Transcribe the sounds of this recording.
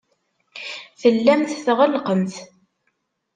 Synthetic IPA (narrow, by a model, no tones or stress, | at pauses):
θəlːæmθθʁəlqəmθ